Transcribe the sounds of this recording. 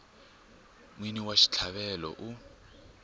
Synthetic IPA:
mwiniwaʃi̥t͡ɬʰaɓɛlɔ̰ʔu

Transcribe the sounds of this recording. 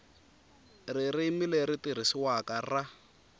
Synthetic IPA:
ririmilɛɾitiɾ̤isiwakara

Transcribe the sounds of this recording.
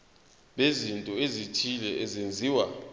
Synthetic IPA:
ɓezintʼɔezitʰilɛʔɛzend͡zʱiːwa

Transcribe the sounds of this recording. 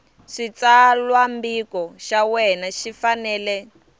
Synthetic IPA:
ʂit͡salwambikɔʃawɛnaʃifanɛːlɛ

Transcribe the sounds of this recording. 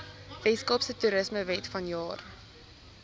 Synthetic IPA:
vɛskɔpsətuɾəsməvɛtfɐnjɑːr

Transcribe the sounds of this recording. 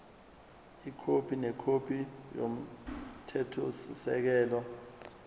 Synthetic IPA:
ikʰopʰinɛkʰopʰijo̰m̩tʰɛtʰosisɛ̰k̬ɛːlɔ

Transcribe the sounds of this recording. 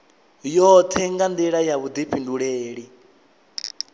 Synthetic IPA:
jɔt̪ʰɛŋɡand̪iɺajaβud̪iɸʰinduɺeːɺi

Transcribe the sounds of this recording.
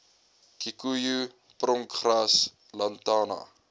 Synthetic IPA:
kikuju | prɔŋkχras | lɐntɑːnɐ̰

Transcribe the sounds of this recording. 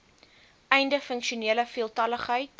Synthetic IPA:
ʔɛjndəfəŋkʃiuniələfiəlˠtɐləχɦəjt̚

